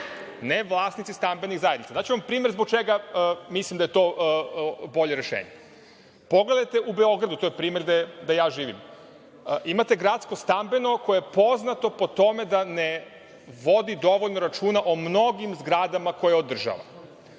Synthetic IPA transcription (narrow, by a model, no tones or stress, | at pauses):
neʋlˠaːsnit̪sist̪ambeniɣzajed̪nit̪sad̪at͡ɕeʋampɾiːmeɾzbok̚t͡ʃeɡamislimd̪ajet̪o̞ʔbo̞ʎeɾeʃḛːɲe | poɡlˠe̞d̪ajt̪e̞ʔubeo̞ɡɾad̪ut̪ojepɾiːmeɾd̪ed̪ajaːʒiːʋḭm | ʔimat̪e̞ɡɾat̪sko̞st̪ambe̞no̞kojeepo̞znat̪o̞po̞t̪o̞me̞d̪ane | ʋo̞d̪id̪o̞ʋoʎnoɾat͡ʃuːnaʔomnoɡimzɡɾad̪amako̞jeod̪r̩ʒa̰ʋa̰